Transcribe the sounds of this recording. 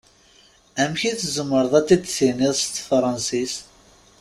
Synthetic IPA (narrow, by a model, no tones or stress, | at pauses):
æmçiθzəmːəɾˤəðˤæt̪ːid̪siniðˤst̪fɾˤɑnsis